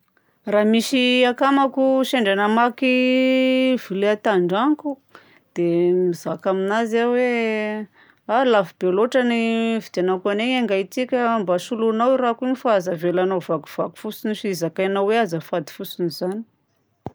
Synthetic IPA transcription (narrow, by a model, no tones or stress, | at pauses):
ramisiakamakuʃeɳɖ͡ʐanəmaki | vileat̪aɳɖ͡ʐaŋku | d̪̥emizakaminazawe | alafibeloʈ͡ʂanivid̪anakaneaŋɡait͡sikʲəmbasulunawirakinifaːzavelanavaku̥v̥aku̥fusiniʃizakajnaweazafad̪i̥fusinizani̥